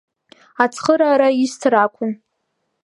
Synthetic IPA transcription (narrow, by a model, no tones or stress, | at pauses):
at͡sʰχəɾaːɾaistʰrakʷʰʊm